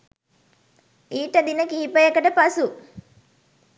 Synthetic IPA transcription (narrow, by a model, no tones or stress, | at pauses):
iːʈəd̪inəkiɦipəjekəʈəpasu